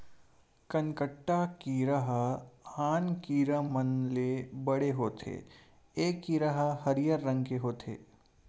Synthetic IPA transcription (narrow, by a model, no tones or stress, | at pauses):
kɐnkəʈːakiɾəɦəhaːnkiːɾəmənlebɐɽeɦoːt̪ʰḛː | eːkːiɾəɦəɦɐɾɪjəɾːɐ̃ŋɡ̚keɦoːt̪ʰḛː